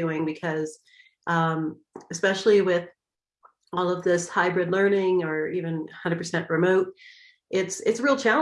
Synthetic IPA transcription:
ʉɪ̃ŋbɨkʰʌz̥ | ʔʌ̃m | ɨspɛʃl̩ˠiwɪð | ɔlˠʌvðɪshaɪbɹɨdˡlɜ̃˞nɪ̃ŋə˞ivɨ̃nhʌ̃ndə˞dpʰə˞sɛ̃nʔɹɨmoʊɾ̚ | ʔɪtsɪtsɹilˠt͡ʃʰælˠ

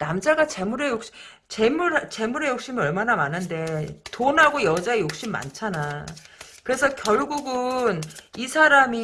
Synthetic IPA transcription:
namd͡ʑaɡat͡ɕe̞muɾe̞jok̚ɕ͈i | t͡ɕe̞muɾat͡ɕe̞muɾe̞jok̚ɕ͈imiʌɭmanamanɯnde̞tonɦaɡojʌd͡ʑaejok̚ɕ͈imːa̰nt͡ɕʰana | kɯɾe̞sʰʌkjʌɭɡuɡɯnisʰaɾami

